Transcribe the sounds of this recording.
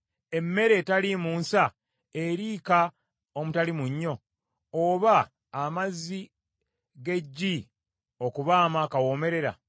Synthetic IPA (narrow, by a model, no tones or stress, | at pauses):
e̞mːe̞ɾe̞talimuːnsa | eɾiːka | omutalimuɲːo̞ | oβaː | mazːi | ɡe̞ɟːi | o̞kuβaːmakawo̞me̞ɾe̞ɾa̰